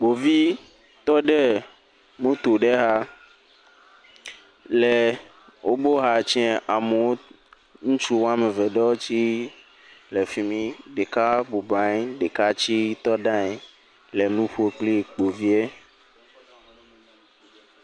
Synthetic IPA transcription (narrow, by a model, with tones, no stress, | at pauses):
k͡po˨vi˦ | t̪ɔ˦ɖe˦ | mũ˦t̪o˨ɖe˦ɦa˦ | lɛ˨ | wʔo˦bo˦ɦa˦t͡ʃɛ̃˦ʔa˨me˨wo˦ | ŋũ˦t͡ʃu˦wo˦a˦me˨vɛ˨ɖɔ˦wo˦t͡ɕi˦ | le˨fi˨mĩ˦ɖe˨ka˦bu˨bã˨˦ɖe˨ka˦t͡ɕi˦t̪ɔ˦ɖã˦ɛ˨ | le˨nũ˦ɸo˦k͡pli˦˨k͡po˨vi˦e˦